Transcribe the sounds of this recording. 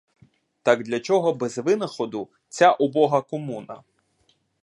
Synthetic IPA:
t̪ɑɡd̪lʲɐt͡ʃɔɦɔbɛzʋɪnɐxɔd̪ʊ | t͡sʲaʔɔbɔɦɐkɔmunɐ

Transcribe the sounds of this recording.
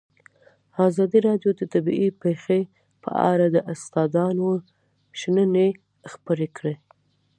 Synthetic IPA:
ɑzɑd̪iɾɑɖjod̪ət̪abḭipexe | pʰə̰ʔɑ̰ɾad̪əʔast̪ɑd̪ɑno | ʃnəne | xpəɾekɽe

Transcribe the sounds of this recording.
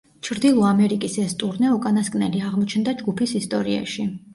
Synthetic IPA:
t͡ʃʰɾd̪ilˠɔamɛɾikʼisɛst̪ʼuɾnɛukʼanaskʼnɛliaʁmɔt͡ʃʰnd̪ad͡ʒɡupʰisist̪ʼɔɾia̰ʃi

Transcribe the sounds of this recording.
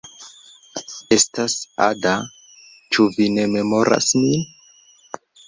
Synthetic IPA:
e̞stasa̰da | t͡ʃuvine̞me̞mo̞ɾa̰smin

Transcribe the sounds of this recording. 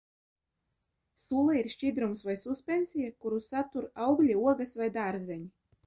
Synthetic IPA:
sulˠɛiɾʃʲt͡ʃid̪ɾumsvajsuspʲensʲijakuɾusat̪uɾawɡlʲiuɔɡasvajd̪aːɾzɛɲʲi

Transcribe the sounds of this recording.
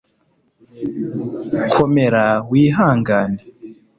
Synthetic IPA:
kʰomeɾawiːɦaːŋɡane

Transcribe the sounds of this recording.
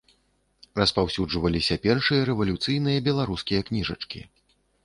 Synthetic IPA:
rɐspawsʲud͡ʐvɐlʲisʲɐpʲɛrʂɨjɐɾɛvɐlʲut̪sɨjnɨjɐbʲɛlˠaɾuskʲijɐknʲiʐɐ̰t͡ʂkʲḭ

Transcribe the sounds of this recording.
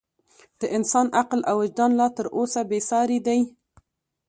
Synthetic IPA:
d̪̥əʔɪnsɑnʔaqlawɪd͡ʒd̪ɑnlɑt̪əɾosabesɑɾed̪aj

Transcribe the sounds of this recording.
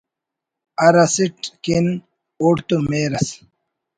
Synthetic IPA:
ɐɾɐsiʈkin | uʈt̪umeːɾɐs

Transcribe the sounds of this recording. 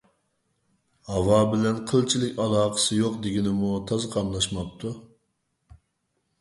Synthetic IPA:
hɑwɑbɪlɛnqʰəlˠt͡ʃʰilɪkʲɑlˠɑːqʰə̥sɨjoqd̪ɪɡʲinɪmut̪ʰɑzqʰɑmlˠɑʃmɑp̚t̪ʰu

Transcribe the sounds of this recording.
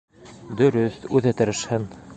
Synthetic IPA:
d̪ɵ̆ɾɵθʉðæt̪ɘ̆ɾɘ̆ʃhɘn

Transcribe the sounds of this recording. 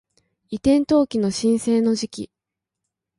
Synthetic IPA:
it̪ẽ̞nt̪o̞ːkʲino̞ɕĩɰ̃se̞ːno̞ʑikʲḭ

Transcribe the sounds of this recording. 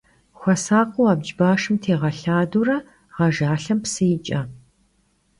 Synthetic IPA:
xʷɐsaːqʷʊwaːbd͡ʒbaːʂɨmtʰeːʁɐɬaːdurɐ | ʁɐʒaːɬɐmpsɨjɪt͡ʃʼɐ

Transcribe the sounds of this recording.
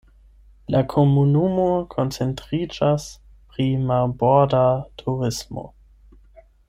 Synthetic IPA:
lakʰomunumokʰont͡se̞ntʁid͡ʒas | pɾimalbodatʰuʁismo̰

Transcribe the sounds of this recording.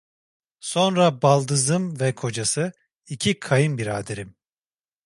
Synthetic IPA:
so̞nɾabalˠd̪ɯzɯmvɛkʰo̞d͡ʒasɯ | icʰikʰajɯmbiɾaːd̪eɾim

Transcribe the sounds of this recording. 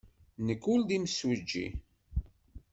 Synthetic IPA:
nəkːuld̪iməswəd͡ʒːḭ

